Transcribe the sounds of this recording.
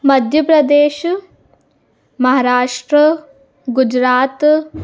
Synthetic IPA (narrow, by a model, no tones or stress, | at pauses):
mɐd̪ʱjɐpɾɐd̪eːʃ | mɐɦaːɾaːʂʈɾə | ɡud͡ʒɾaːt̪